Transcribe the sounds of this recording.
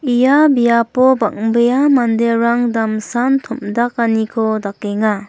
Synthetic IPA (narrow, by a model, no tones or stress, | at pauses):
ijabijapɔbaŋbejamandeɾaŋdamsantʰumdak̚anikʰɔdakeŋa